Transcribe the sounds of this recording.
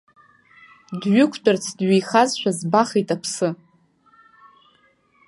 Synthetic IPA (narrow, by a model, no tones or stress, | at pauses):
dɥʊkʷʰtʼʊrt͡sʰdɥijχazʃʷᶣazbaχejtʼapʰsɨ